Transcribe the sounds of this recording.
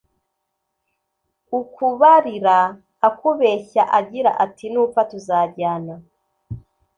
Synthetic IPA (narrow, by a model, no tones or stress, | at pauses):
ukuβaɾiɾaː | kuβeçaʔaɟiɾa̰ʔatinuːp̪fatuzaːbɟaːna